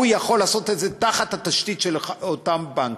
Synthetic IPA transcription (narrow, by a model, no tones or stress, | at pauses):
ujaχo̞laːso̞t̪ezet̪aχat̪hat̪aʃt̪it̪ʃelot̪ambaŋk